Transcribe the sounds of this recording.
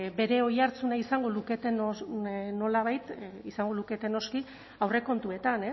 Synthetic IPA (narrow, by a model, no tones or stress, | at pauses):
be̞ɾe̞o̞jaɾt͡sunaisaŋɡo̞luke̞t̪e̞nono̞laβajt̪isaŋɡoluke̞t̪e̞no̞ski | awre̞ko̞nt̪ue̞t̪ane